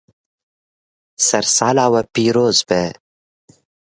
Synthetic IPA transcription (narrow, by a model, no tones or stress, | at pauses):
sɐɾsaːlaːwɐpiːɾoːzbeː